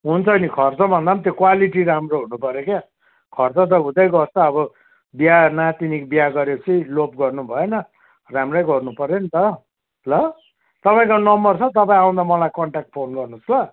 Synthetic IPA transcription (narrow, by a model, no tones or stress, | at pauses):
ɦunt͡sʰʌnikʰʌrt͡sʌbʱʌnd̪amt̪jokwaliʈiɾamroɦunupʌɾjoka | kʰʌrt͡sʌt̪ʌɦũd̪ʌjɡʌrt͡sʰʌːbʌ | bjanat̪inikbjaɡʌɾet͡sʌĩlopɡʌrnubʱʌenʌ | ramrʌjɡʌrnupʌɾenit̪ʌ | lʌ | t̪ʌpaĩkanʌmbʌrt͡sʰʌt̪ʌpaĩãw̃d̪amʌlajkʌɳʈak̚ʈ̚pʰonɡʌrnuslʌ